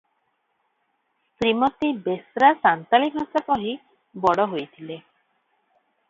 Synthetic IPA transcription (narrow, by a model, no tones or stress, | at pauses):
st̪ɾimɔt̪ibesɾasant̪alikɔsakɔɦi | bɔɽɔɦojt̪ʰile